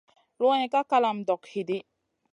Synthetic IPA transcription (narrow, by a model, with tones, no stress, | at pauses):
lo˦a˦ɲɛ˨ka˦ka˦la˨m̩˨dɔ˨khi˨di˦